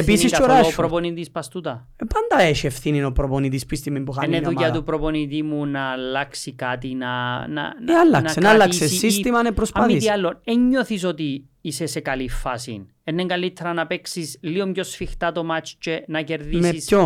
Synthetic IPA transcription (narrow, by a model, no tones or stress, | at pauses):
episniiskt͡ʃoɾaopɾoponit̪ispɐst̪ut̪ɐ | epand̪ɐeʃiefθininopɾoponit̪̬ispist̪imimpuxaenːeðujɐupɾoponit̪̬imunɐːlːɐksikat̪inɐnɐ̰nalːɐnɐssenalːaseːit̪imɐnepɾospɐmmːiiɐlːoneɲːoθis̬o̞t̪i | isesekɐlifːɐsḭn | enːeŋɡɐlit̪ʰːeɾɐnɐpeksisliomɟosfixt̪ɐt̪o̞mat͡ʃt͡ʃenɐceɾðimeiso